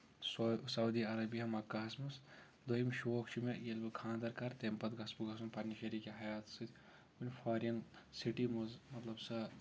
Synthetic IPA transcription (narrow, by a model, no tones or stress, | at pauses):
ssɐwd̪iɐɾɐbiɐmɐkaːsmɐs | d̪ojimʃoːkt͡ʃʰimejelbɐkʰaːnd̪ɐɾkɐɾt̪empɐt̪ɡɐsbuɡɐsumpɐɾnʲiʃɐɾikeɦɐjaːt̪sɨt̪ʰʲ | unʲpʰaːɾiɐnsiʈimɐzmɐt̪lɐbsɐ